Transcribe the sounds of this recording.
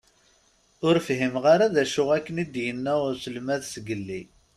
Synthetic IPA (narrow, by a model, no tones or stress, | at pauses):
ʊɾfɦimʁaɾaðæʃʊʁækːənid̪jənːæʁʊsəlmæðsɡəlːi